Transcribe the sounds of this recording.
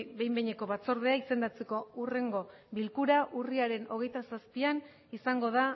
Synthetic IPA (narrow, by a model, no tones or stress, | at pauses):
be̞jmbeɲe̞ko̞βat͡so̞ɾð̞e̞aise̞nd̪at͡se̞ko̞ure̞ŋɡo̞βilkuɾaʔuriaɾe̞no̞ɣ̞e̞jt̪asaspian | isaŋɡo̞ð̞a